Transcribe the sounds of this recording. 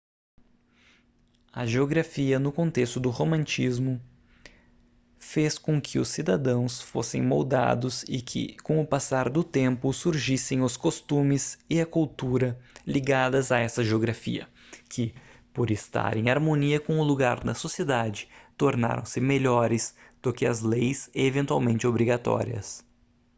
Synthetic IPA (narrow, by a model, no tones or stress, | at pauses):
ɐʒeoɡɾafiɐnʊkõnt̪est̪ʊd̪ʊhomɐ̃nt͡ʃizmʊ | feskõkʰɪʊsːid̪ad̪ɐ̃w̃sfo̰sḛ̃j̃mowd̪a̰d̪ʊzɪkʰɪ̰kõʊpasaɾd̪ʊt̪ẽmpʊsuɾʒisẽj̃ʊskost̪ũmɪszɪɐkuwt̪uɾɐliɡad̪ɐzɐɛsɐʒeoɡɾafḭɐ̰ | kʰɪpoɾest̪a̰ɾẽaɾmõniɐkõʊluɡaɾnɐsosied̪ad͡ʒɪ̥t̪oɾna̰ɾɐ̰̃w̃sɪmeʎɔɾɪzd̪̥ʊkɪɐzlejsevẽnt̪ua̰wmẽnt͡ʃɪobɾiɡat̪ɔ̰ɾiɐ̰s